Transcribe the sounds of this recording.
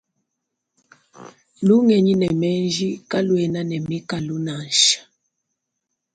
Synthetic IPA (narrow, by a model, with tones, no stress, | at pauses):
lu˦ŋɛ˨ɲi˦nɛ˨mɛ˦nd͡ʒi˦ka˦lwɛ˨na˦nɛ˨mi˦ka˨lu˦na˨nʃḁ˨